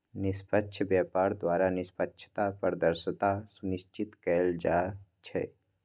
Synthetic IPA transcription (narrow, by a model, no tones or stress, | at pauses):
nɪspətːʃʰəbjaːpaːɾd̪waːɾanɪspətːʃʰə̥t̪apəɾd̪əɾʃət̪asʊnɪʃt͡ʃɪt̪kɛld͡ʒaːt͡ʃʰɛ̰